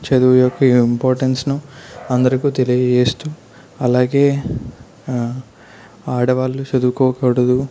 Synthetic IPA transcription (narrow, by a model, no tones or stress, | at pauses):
t͡ʃɐd̪uʋjɔkːɐimpoːɾʈensnuɐnd̪ɐɾɐkuːt̪e̞lijɐd͡ʒeːst̪u | ɐlaːɡe̞ː | aːɽɐʋaːlːut͡ʃɐd̪ukɔːkɐɽɐd̪u